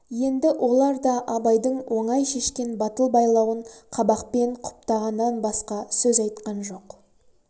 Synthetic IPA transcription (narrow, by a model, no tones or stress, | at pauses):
je̞nd̪ɪʔo̞lˠɑɾd̪ɑʔɑbɑjd̪əɴwʔo̞ɴɑjʃe̞ʃkʲe̞nbɑt̪əlˠbɑjlˠɑwəɴqʰɑbɑq̚pe̞ɴqʰʊ̥p̚t̪ɑʁɑnːɑnbɑsqɑsɵzɑjt̪qɑnʒo̞q